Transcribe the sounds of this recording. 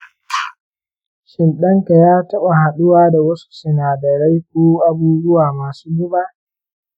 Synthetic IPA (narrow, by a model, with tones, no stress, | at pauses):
ʃɪ˨nɗɐ˦ŋka˨jaː˦tɐ˦ɓa˨ha˨ɗʊ˦waː˦da˨wɐ˦su̥˦sɪ˨naː˨dɐ˨ɾa˦jk̚ʷoː˦ʔa˦buː˦zʊ˦waː˨maː˨suː˦ɡʊ˦ba˦ʔ